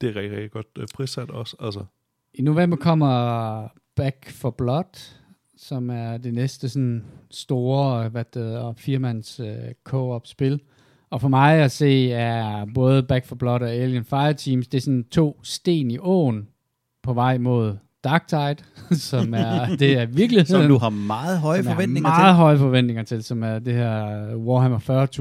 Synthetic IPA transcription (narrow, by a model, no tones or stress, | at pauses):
d̥e̝æɐʁɛ̥ɛɡ̚d̥iɡ̥ɒ̽d̥pʰʁisæd̥ɒsælsə | ino̝ʋem̰b̥ɐkʰɒ̽m̰ɐ | b̥æɡ̥fɒb̥lɒd̥ | sɒ̽mæɐd̥e̝nesd̥əsɒnsd̥o̝ːɐʋæd̥eð̩ˠɒfiɐmænsøkʰɔ̰ɒb̥sb̥e̝l | ɒ̽fɒ̽mɑ̈ɪæse̝̰ːæɐb̥ɔ̽ːð̞ˠəb̥æɡ̥fɒb̥lɒ̽ɾ̥ɒ̽eljənfɑ̈ɪɐt͡sʰiːmsd̥e̝æɐsɒ̽nt͡sʰo̝̰ːsd̥e̝̰ːniʔɔ̰ːn | pʰɒ̽ʋɑ̈ɪ̰mo̝ð̞̰ˠ | d̥ɑ̈ːɡ̥̚t͡sʰɑ̈ɪd̥sɒ̽mæɐd̥e̝æɐʋiɐɡ̥liheð̰ˠuhɑ̈mɑ̈ːð̩ˠɦɒɪədɒʋendnmɑːð̩ˠɦɒ̽ɪəfɒ̽ʋen̰d̥e̝ŋɐt͡sʰe̝lsɒ̽mæɐd̥ehæɐ̰wɒːɦæmɒfɶɐt͡sʰu